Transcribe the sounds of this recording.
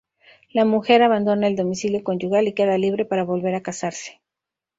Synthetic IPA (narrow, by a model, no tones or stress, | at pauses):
lamuxe̞ɾaβand̪o̞naeld̪o̞misiljo̞ko̞nd͡ʒuɣalike̞ðaliβ̞ɾe̞paɾaβo̞lβe̞ɾakasaɾse̥